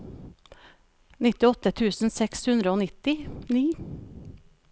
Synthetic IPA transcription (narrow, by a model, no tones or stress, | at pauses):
nɪt̪ɪɔt̪ət̪ʰʉːsn̩sɛkshʉnd̪ɾəoːnɪt̪ɪniː